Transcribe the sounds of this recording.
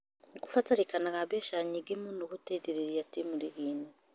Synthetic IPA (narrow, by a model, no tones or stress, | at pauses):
ɡufataɾikanaɡaβeʃaɲiɡemundukuteɟeɾeɾijatimuɾiɡiːne